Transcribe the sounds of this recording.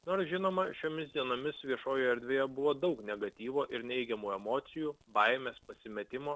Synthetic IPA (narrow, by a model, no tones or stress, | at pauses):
noːɐɾsʒʲɪnoːmɐʃʲoːmʲɪsd̪ʲiɛnoːmʲɪsʋʲiɛʃoːjoɛɾʲd̪ʲʋʲeːjɛbʊʋoːd̪ɐʊknʲɛɡɐt̪ʲiːʋoːʔɪɾnʲɛɪɡʲɛmuːɛmoːt̪sʲɪjuːbɐɪmʲeːspɐsʲɪmʲɛt̪ʲɪmoː